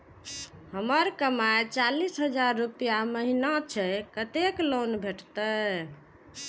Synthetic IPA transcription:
həməɾkəmaet͡ʃalisɦəd͡ʒaɾːupijaməɦinat͡ʃʰɛkət̪eklonbʱeʈt̪ə

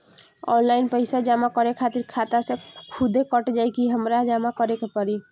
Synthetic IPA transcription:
ɔ̰nlainpəɪsad͡ʒamakɔɾekʰat̪iɾkʰat̪asẽkʰud̪ʱekəʈd͡ʒajkiɦəmɾad͡ʒamakɔɾekepəɾi

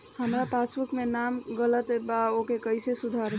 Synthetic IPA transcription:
həmɾapat͡ʃʰbukmenamɡələt̪əbaokekəjsesud̪ʱaɾ

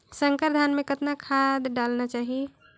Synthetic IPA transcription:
səŋkəɾd̪ʱanmẽkət̪nakʰad̪ɖaːlnat͡ʃaːɦie

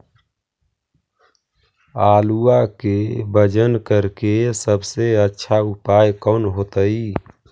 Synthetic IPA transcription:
aːluakebəd͡ʒənkəɾkesəbseətːʃʰaupaːjkɔːnɦot̪əi

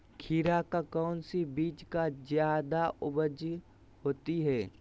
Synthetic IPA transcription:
kʰiːɾakakɔːnsibiːt͡ʃkazjaːd̪aʔʊbəd͡ʒ | hoːt̪iɦɛː

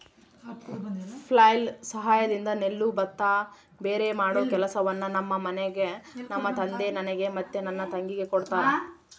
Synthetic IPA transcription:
pʰlɐːjlsɐɦaːjɐd̪ind̪ɐne̞lːubɐt̪ːa | be̞ːɾemaːɽoːkɛlɐsɐʋɐnːɐnɐmːɐmɐneɡe̞nɐmːɐt̪ɐnd̪e̞nɐneɡe̞mɐt̪ːenɐnːɐt̪ɐŋɡiɡe̞koɽt̪aːɾe

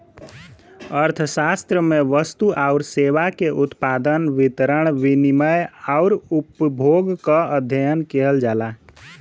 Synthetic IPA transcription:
əɾt̪ʰəsast̪ɾəmeʋəst̪uʔaʊɾseʋakeʔut̪pad̪ənʋit̪ɾəɳ̃ʋiniməjaʊɾupbʱoɡkəəd̪ʱjəjənkeɦəld͡ʒala

